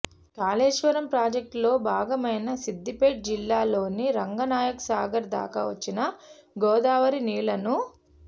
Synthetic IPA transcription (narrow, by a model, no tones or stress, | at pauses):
kaːleːʂʋɐɾɐmpɾaːd͡ʒɐk̚ʈlo̞ːbʱaːɡɐmɐjnɐsid̪ːipeːʈ̚d͡ʒilːaːlo̞ːniɾɐŋɡɐnaːjɐksaːɡɐɾd̪a̰ːkɐ̰ʋɐt͡ʃːinɐ | ɡɔːd̪aːʋɐɾiniːɭɐnu